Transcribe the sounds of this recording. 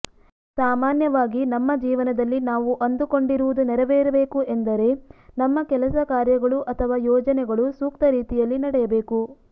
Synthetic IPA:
saːmaːnjɐʋaːɡinɐmːɐd͡ʒiːʋɐnɐd̪ɐlːinaːʋuʔɐnd̪uko̞ɳɖiɾuʋud̪unɛɾɛʋeːɾɐbe̞ːkuʔend̪ɐɾe̞nɐmːɐkɛlɐsɐkaːɾjɐɡɐɭuʔɐt̪ʰɐʋaːjɔːd͡ʒɐnɛɡɐɭusuːk̚t̪ɐɾiːt̪ijɐlːinɐɽɛjɐbe̞ːku

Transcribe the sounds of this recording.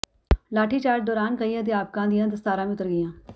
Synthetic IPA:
laːʈʰiːt͡ʃaːɾd̪ɔːɾaːnkəiːãːd̪ɪjaːp̚kãːd̪ɪjãːd̪əst̪aːɾãːmẽːʊt̪ːəɾɡɪjãː

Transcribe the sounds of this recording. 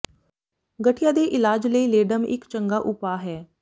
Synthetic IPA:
ɡəʈʰijãːd̪eːʔɪlaːd͡ʒləiːleːɖəmɪ̰kt͡ʃəŋɡaːʔʊpaːɦɛː

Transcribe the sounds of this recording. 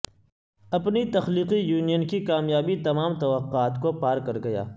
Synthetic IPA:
ɐpnit̪ɐxliːqijuːnijənkikaːmjaːbit̪ɐmaːmt̪ɐʋɐqːaːt̪kopaːɾkɐɾɡɐja̰ː

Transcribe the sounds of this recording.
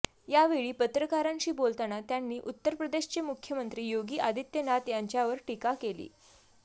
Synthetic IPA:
jaʋeɭiːpət̪ɾəkaɾãɲt͡ɕiːbolt̪anat̪janːiːʔut̪ːəɾpɾəd̪eɕt͡ɕemukʰːjəmənt̪ɾiːjoɡiːʔad̪ʱit̪jənat̪jaɲt͡ɕjaʋəɾʈikakelḭː

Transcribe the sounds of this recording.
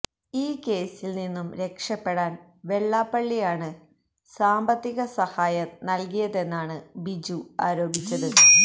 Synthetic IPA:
iːke̞ːsilninːumɾe̞kʂɐpːe̞ɽaːn | ʋe̞ɭːaːpːɐɭːijaːɳɨ | saːmbɐt̪ːiɣɐsɐhaːjɐnɐlkijɐðe̞nːaːɳɨbid͡ʑuaːɾo̞ːbʱit͡ɕːɐðɨ

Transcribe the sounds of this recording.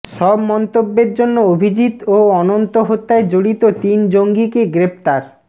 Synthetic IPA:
ʃɔbmɔnt̪obːeɾd͡ʑonːoobʱid͡ʑit̪oɔnont̪oɦot̪ːaed͡ʑoɽit̪ot̪ind͡ʑoŋɡikeɡɾept̪aɾ

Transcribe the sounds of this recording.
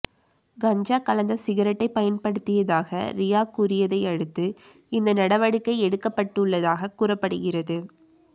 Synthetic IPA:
ɡɐɲd͡ʒaːkɐlɐnd̪ɐsɪɣɐɾɐʈːɐɪpɐjɐnpɐɽɯt̪ːɪjɐðaːɣɐ̰ɾɪjaːkuɾɪjɐðɐɪɐɽɯt̪ːɯ | ɪnd̪ɐnɐɽɐʋɐɽɯkːɐɪɛɽɯkːɐpːɐʈːɯɭːɐðaːɣɐkuɾɐpːɐɽɯɣɪrɐðɯ

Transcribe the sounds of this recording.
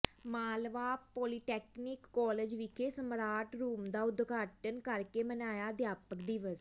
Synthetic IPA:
maːlʋaːpɔːliːʈɛːknɪkːɔːləd͡ʒʋɪkʰeːsəmɾaːʈɾuːmd̪aːʊd̪ɡaːʈənkəɾkeːmənaːjaːd̪jaːpəkd̪iːʋəs

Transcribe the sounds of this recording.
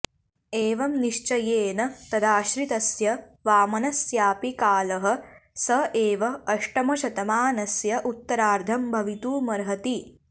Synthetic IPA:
eːʋɐmniʃt͡ʃɐjeːnɐt̪ɐd̪aːʃɾit̪ɐsjɐ | ʋaːmɐnɐsjaːpikaːlɐɦɐ̆sɐʔeːʋɐːʂʈɐmɐʃɐt̪ɐmaːnɐsjɐʔut̪ːɐɾaːɾd̪ʱɐmbʱɐʋit̪uːmɐɾɦɐt̪i

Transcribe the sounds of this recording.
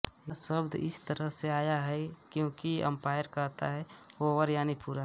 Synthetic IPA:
nasəbd̪ʱɪ̰st̪əɾəɦseaːjaɦɛkjõːkiɐ̰̃mpaːjəɾkəɾt̪a̰ɦɛoʋəɾjaːnipuːɾa

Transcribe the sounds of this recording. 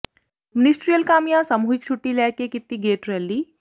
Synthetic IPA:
mɪnisʈɾijəlkaːmjãsamuːɦɪk̚t͡ʃʰuʈːilɛːkekɪt̪ːiɡeːʈɾɛlːiː

